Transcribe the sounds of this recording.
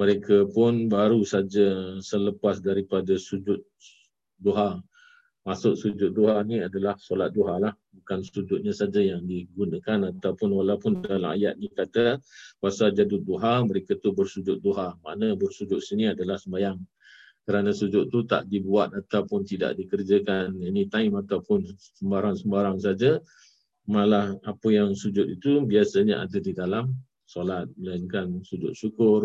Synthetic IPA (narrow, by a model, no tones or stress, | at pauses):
məɾekʰəpʊnbaɾusad͡ʒasələpasdaɾipadasud͡ʒʊt̪̚ | doɦa | masʊʔsud͡ʒʊt̪̚doɦanĩadalahsolat̪̚doɦalahbukansud͡ʒʊt̪̚ɲasad͡ʒajaŋdiɡunəkanat̪awpʊnwalawpʊndalaŋa̰ja̰t̪̚nikat̪awasad͡ʒadʊt̪̚doɦaməɾekat̪ubərsud͡ʒʊt̪̚doɦama̰ʔnabərsud͡ʒʊt̪̚siniadalahsəmbajaŋ | kəɾanasud͡ʒʊt̪̚t̪ːut̪a̰ʔdibuat̪̚at̪awpʊnt̪ida̰ʔdikərd͡ʒakaninit̪aɪmat̪awpʊn | səmbaɾaŋsəmbaɾaŋsad͡ʒa | malahapəjaŋsud͡ʒʊt̪̚it̪ubiasaɲaʔa̰dədidalam | solat̪̚məlaɪŋkansud͡ʒʊ̰t̪̚sukʊr